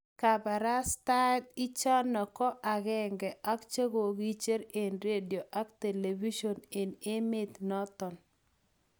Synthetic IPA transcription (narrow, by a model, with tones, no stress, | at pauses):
ka˨ba˨ɾa˦sta˦d̪i˦t͡ʃɔ˦nɔ˨kɔ˦ʔa˨ɣɛ˦ŋɡɛ˨ʔa˦kt͡ʃe˦ɡo˨ɡi˦t͡ʃe˦ɾe˨nɾe˦djo˨ʔa˦kt̪e˨le˨vi˦ʃo˨ne˨ne˦mɪ˦t̪nɔ˦t̪ɔ˨n